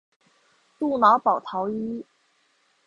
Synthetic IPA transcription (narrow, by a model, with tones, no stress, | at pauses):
t̪u˥˩na˧˥pɑ˨˩ʊt̪ʰɑ˧˥ʊi˥